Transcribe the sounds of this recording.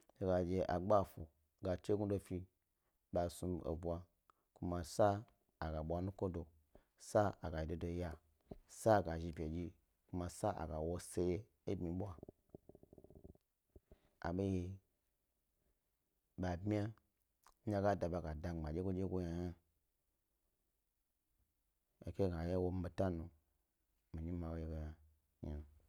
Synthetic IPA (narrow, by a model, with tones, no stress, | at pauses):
d͡ʒe˧ɡa˨d͡ʒe˧ʔa˨ɡ͡ba˦˨fu˨ | ɡa˧t͡ʃe˦ɡʷu˦do˧fi˧ | ɓa˨su˧o̰˨bʷa˧ | ku˦ma˧sa˦ | a˨ɡa˨ɓʷa˧nu˦ko˦do˨ | sa˦a˨ɡa˨ji˨do˨do˧ja˧ | sa˦˨ɡa˨ʒi˧pʲe˨d͡ʒi˧ | ku˧ma˧sa˦ʔa̰˨ɡa˨wo˧se˧je˦ | e˦bmi˨ɓʷa˦ | a̰˨ɓe˦ji˧ | ɓa˨bmi˦a˦ | a˧ɡa˦˨da˨ba˨ɡa˨da˨a˨d͡ʒe˦kʷo˦d͡ʒe˦ɡʷo˧˦ja˨ja˦ | ḛ˨ke˦˨ɡa˨je˦wo˧m̩˦be˨ta˦nu˨ | mi˨ɲi˦ma˨wo˦je˦ɡo˧ja˨ | ja˨n˨